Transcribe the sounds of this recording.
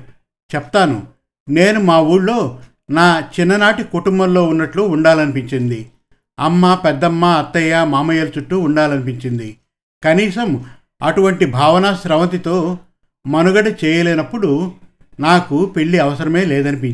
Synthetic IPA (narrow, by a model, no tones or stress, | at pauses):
t͡ʃɛp̚t̪aːnṵ | ne̞ːnumaːuːɽlo̞ː | naːt͡ʃinːɐnaːʈikuʈumbɐmlo̞ːunːɐʈluːɳɖaːlɐnipiɲt͡ʃind̪i | ɐmːaːpɛd̪ːɐmːaɐt̪ːɐjaːmaːmɐjɐlt͡ʃuʈːuːɳɖaːlɐnipiɲt͡ʃind̪i | kɐniːsɐm | ɐʈuʋɐɳʈibʱaːʋɐnaːʃɾɐʋɐnt̪̬it̪o̞ː | mɐnuɡɐʈɐt͡ʃɛːjɐleːnɐpːuɽu | naːkupeɭːiɐʋɐsɐɾɐme̞ːlɛːd̪ɐnip̬i